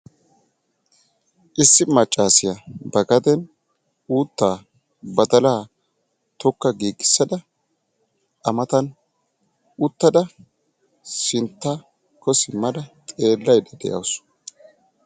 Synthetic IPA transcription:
ʔɪsːɪmɐt͡ʃʼːaːsɪjɐbɐɡɐd̪ɛn | uːt̪ːaː | bɐd̪ɐlaː | t̪ɔkːɐɡiːɡɪ̥sːɐd̪ɐ | ʔɐmɐt̪ɐn | ʊt̪ːɐd̪ɐ | sɪnt̪ːa | kɔsɪmɐd̪ɐt̪ʼe̞ːlːɐjd̪ɐd̪ɛ̰ʔɐ̰ws

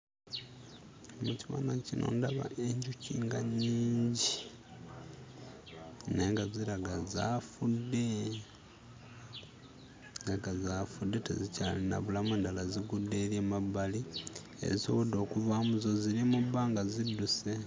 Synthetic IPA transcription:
omuciβa̰ːnacinʔo̰ːndaβa̰ʔe̞ɲɟuciŋɡaɲːiːɲɟi | ne̞ːŋɡaziɾaɡazafudːe | ŋaɡazaːfudːe̞tḛzicalina̰βulameːndalaziɡudːe̞ːɾjemabːali | ḛziso̞βo̞do̞ːkuvamuzo̞ziɾimubaːŋɡazidːuse

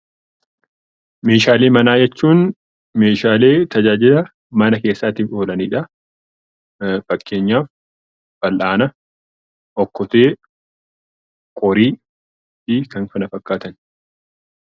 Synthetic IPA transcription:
me̞ːʃaːleːmɐnaːd͡ʒɛt͡ʃːuːn | me̞ːʃaːle̞ːt̪ɐd͡ʒaːd͡ʒɪdɐ | mɐnɐke̞ːsːaːt̪iːfo̞ːlɐniːᶑɐ | fɐkːe̞ːɲːaːf | b̥ɐlʔaːnɐ | ʔɔkːɔt̪e̞ː | kʼɔɾiː | fɪkɐŋkɐnɐfɐkːaːt̪ɐn

